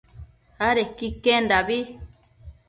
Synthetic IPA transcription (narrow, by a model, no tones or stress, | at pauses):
aɾekikẽndaβi